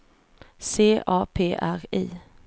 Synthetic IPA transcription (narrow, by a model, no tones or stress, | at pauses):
seːʔɑːpʰeːʔæɾḭː